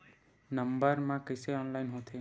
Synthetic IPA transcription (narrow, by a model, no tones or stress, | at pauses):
nəmbəɾmãkəjseɔnlajnɦõt̪ʰe